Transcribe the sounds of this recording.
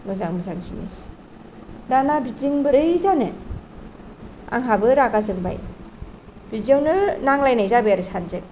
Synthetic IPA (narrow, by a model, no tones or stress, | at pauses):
mɯzaŋmɯzaŋzinḭs | danabiziŋbɯɾɯjzanɯ | a̰ŋɦabɯɾaɡazɯŋba̰j | bizawnɯnaŋlajnajzabɯjaɾɯsanzɯk